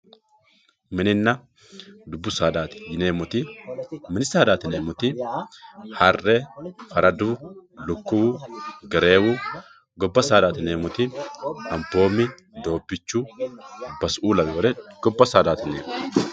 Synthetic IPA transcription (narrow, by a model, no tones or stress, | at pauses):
mɪnɪnːɐ | d̪ʊbːʊsaːd̪aːt̪ɪ̥jɪneːmʊt̪ɪmɪnɪsaːd̪aːt̪ɪneːmʊt̪ɪ | hɐrːɛfɐɾɐd̪uːlʊkːʊwuːɡɛɾe̞ːwuː | ɡɔbːɐsaːd̪aːt̪ɪneːmʊt̪ɪɐmpo̞ːmːɪ | d̪o̞ːbːɪt͡ʃːuː | bɐsʔuːlɐbɛwɔlɛɡ̥ɔbːɐsaːd̪aːt̪ɪnḛːmʊ